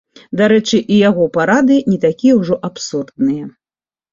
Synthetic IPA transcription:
d̪aɾɛt͡ʂɨʔijaɣɔpaɾad̪ɨnʲit̪akʲijɛwʐɔʔapsurd̪nɨjɛ

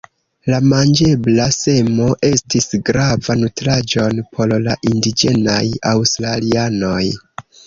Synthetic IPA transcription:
lamand͡ʒe̞blase̞mo̞ʔe̞stisɡɾavanutɾad͡ʒo̞npʰo̞lla̰ʔindid͡ʒe̞najawstɾaliano̞j

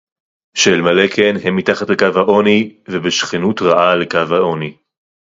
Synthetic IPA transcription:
ʃelmalekʰenɦemːitaχatlekavhaʔo̞nivebeʃχenutʁaʔalekavhao̞ni

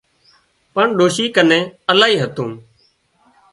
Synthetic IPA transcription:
pəɳɗoːʃiːkənẽːəlaːɦiːɦət̪ũː

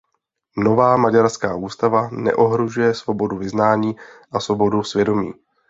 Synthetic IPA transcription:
no̞vaːmaɟaɾskaːʔuːst̪avanɛ̰ʔo̞ɦɾoʒujɛsvo̞bo̞duvɪznaːɲiːʔasvo̞bo̞dusvjɛdo̞miː

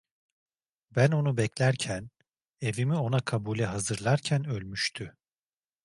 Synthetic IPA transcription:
bæno̞nubɛclʲæɾcʰæn | e̞vimio̞nakʰabuːlʲɛɦazɯɾlˠaɾcʰænølʲmyʃt̪ʰy

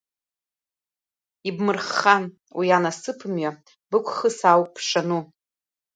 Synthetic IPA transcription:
ibmɨrχan | wianasɨpʰɨmɥa | bɨkʷʰχəsawkʼpʰʂanu

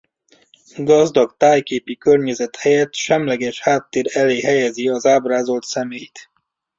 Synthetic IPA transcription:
ɡɒzd̪ɒkt̪aːjkeːpikørɲɛzɛt̪hɛjɛt̪ʃɛmlɛɡɛʃhaːt̪ːeːɾɛleːɦɛjɛziɒzaːbraːzo̞lt̪sɛmeːjt̪

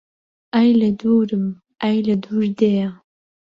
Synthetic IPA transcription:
ajlɐduːɾɨm | ajlɐduːrde

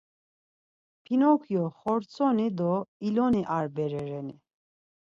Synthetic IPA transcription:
pʰinɔkʰjɔχɔɾt͡sʰʼɔnid̪ɔilɔniʔaɾbɛɾɛɾɛni

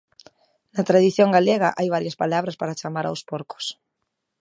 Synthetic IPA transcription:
nat̪ɾaðiθjoŋɡaleɣaʔajβaɾjaspalaβɾaspaɾat͡ʃamaɾa̰wspoɾko̥s

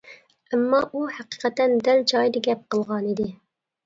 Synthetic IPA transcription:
æmːɑːʔuhæqi̥qæt̪ɛnd̪æld͡ʒɑːjd̪ɪɡʲɛp̚qəlˠʁɑːnid̪i

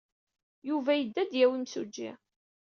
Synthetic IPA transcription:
juvæjəd̪ːæd̪jæwimsud͡ʒːḭ

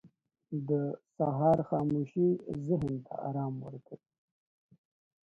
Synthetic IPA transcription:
d̪əsaɦɑɾxɑːmuʃizɪɦnt̪ʰa̰ɑ̰ɾɑːmwə̰ɾkʰə

